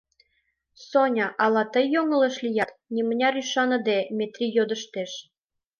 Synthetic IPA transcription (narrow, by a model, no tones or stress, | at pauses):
sonʲɑʔɑlɑt̪əjːoŋəleʃlijɑt̪nimənʲɑɾyʃɑnə̆d̪emʲet̪rʲijod̪əʃt̪eʃ